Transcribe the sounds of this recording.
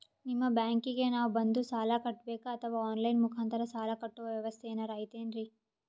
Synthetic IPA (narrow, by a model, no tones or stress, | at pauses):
nimːɐbjaːŋkiɡe̞naːʋbɐnd̪usaːlakɐʈːbeːkaːt̪ʰɐʋaːoːnlɐjnmukʰaːnt̪ɐɾɐsaːlakɐʈːuʋɐʋjɐʋɐst̪ʰeeːnɐɾaːɦjit̪eːnɾi